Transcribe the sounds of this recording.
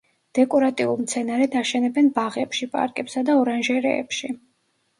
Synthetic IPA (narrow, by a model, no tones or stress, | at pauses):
d̪̥ɛkʼɔɾat̪ʼiulˠmt̪sʰɛnaɾɛd̪aʃɛnɛbɛnbaʁɛpʃipʼa̰ɾkʼɛpsad̪aɔɾanʒɛɾɛ̰ːpʃi